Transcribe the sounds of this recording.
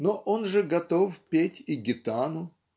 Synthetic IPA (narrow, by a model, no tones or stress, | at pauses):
noʔonʐɨɡɐt̪ofpʲetʲɪɡʲɪt̪anʊ